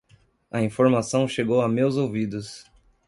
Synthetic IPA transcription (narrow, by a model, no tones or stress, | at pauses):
ɐĩfoɾmasɐ̃w̃ʃeɡowamewzowvid̪ʊs